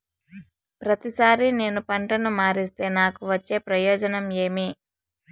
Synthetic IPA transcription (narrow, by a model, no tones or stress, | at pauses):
pɾɐt̪isaːɾine̞ːnupɐɳʈɐnumaːɾist̪e̞ːnaːkuʋɐt͡ʃːe̞ːpɾɐjɔːd͡ʒɐnɐmeːmi